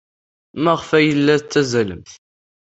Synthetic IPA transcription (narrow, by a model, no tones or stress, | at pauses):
mæʁfæjəlːæt͡s̪ːæzælə̰mθ